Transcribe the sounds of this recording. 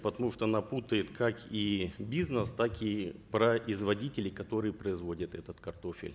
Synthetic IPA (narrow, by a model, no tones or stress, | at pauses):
pət̪ɐmuʂt̪oɐnaput̪əjɪt̪kʰakibʲiznəst̪akipɾɐʔɪzvɐdʲitʲɪlʲɪkɐt̪o̞ɾɨjəpɾəɪzvo̞dʲət̪ɛt̪ət̪kɐrt̪o̞fʲɪ̰lʲ